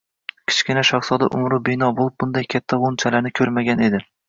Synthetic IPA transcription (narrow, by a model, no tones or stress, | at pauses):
kʲʰɪ̥t͡ʃkʲɪnaʃɒχsɒd̪aʔʊmɾʊbɪnɒbolˠɪp̚bʊnd̪ajkʲʰat̪ʰːaʁont͡ʃʰalaɾnɪkʲʰɵɾmaɡʲane̞d̪ɪ